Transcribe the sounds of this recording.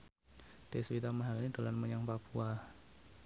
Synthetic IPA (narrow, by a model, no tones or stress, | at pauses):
d̥eswit̪amaɦalinid̪̥o̤lanməɲaŋpapua